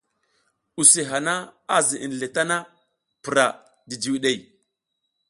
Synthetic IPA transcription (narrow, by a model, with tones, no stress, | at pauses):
u˨si˨ɦa˨na˦a˦zi˨ʔi˨n˨le˨ta˦na˦ | pi˨ɾa˨ | di˨d͡ʒi˨wi˨ɗe˨j